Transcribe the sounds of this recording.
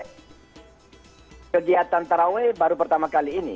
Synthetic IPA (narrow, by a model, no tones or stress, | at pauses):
kəɡiat̪ant̪aɾawebaɾupərt̪amakaliːnḭ